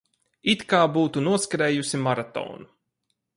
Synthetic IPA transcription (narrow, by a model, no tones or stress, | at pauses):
it̪kaːbuːt̪unuɔskaɾeːjusimaɾat̪ɔ̰ːnu